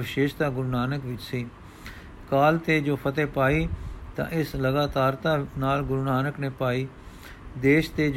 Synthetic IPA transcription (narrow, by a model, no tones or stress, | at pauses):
ʋɪʃeːʃt̪ãːɡʊɾnaːnəkʋɪt͡ʃsiː | kaːlt̪eːd͡ʒoːpʰət̪eːpaːiːt̪ã̰ːʔɪsləɡaːt̪aːɾt̪ãːnaːlɡʊɾnaːnəkneːpaːiː | d̪eːʃt̪eːd͡ʒ